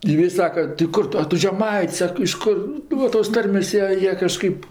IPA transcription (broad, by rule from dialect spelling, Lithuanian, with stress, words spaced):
ˈjiɛ ɪ ˈsɑːkɐ tɐɪ ˈkʊr tʊ ɐ ˈtʊ ʒʲɛˈmɐɪtʲsʲ ˈsɐk ɪʃ ˈkʊr ˈnʊ toːs ˈtɐrʲmʲeːsʲ ˈjiɛ ˈjiɛ kɐʃˈkɐɪp